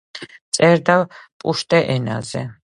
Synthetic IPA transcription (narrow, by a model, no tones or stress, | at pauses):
t̪sʼɛɾd̪avpʼuʃt̪ʼɛʔɛna̰zɛ̰